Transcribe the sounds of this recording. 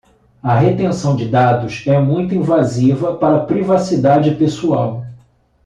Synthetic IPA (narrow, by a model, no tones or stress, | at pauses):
ɐɦet̪ẽsɐ̃w̃d͡ʒɪd̪ad̪ʊsɛmũj̃t̪̬ʊĩvazivɐpaɾɐpɾivasid̪ad͡ʒɪpesuaw